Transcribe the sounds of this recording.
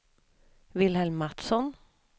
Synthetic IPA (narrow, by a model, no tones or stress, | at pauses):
ʋɪlhɛlmːɑt̪sɔn